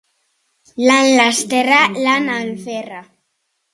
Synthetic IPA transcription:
lanlast̪eɾalanalfera

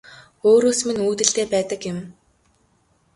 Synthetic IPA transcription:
oːɾoːsmɘ̆nuːt̪ɘ̆ɬt̪eːpæːt̪ə̆kjɪ̆m

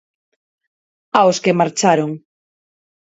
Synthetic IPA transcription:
aoskemaɾt͡ʃaɾoŋ

